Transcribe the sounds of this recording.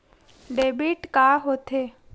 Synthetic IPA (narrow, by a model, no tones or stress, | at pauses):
ɖeːbiʈkaːɦoːt̪ʰeː